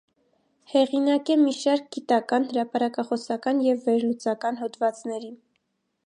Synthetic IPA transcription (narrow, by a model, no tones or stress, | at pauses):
hɛʁinɑkɛmiʃɑɾk̚ɡit̪ɑkɑnhəɾɑpɑɾɑkɑχɔsɑkɑnjɛvːɛɾlut͡sɑkɑn̪ɦɔt̪vɑt͡snɛɾi